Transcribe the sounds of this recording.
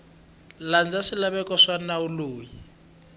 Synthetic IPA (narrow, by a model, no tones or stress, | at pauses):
land͡zasilaβɛkɔʂanauluːji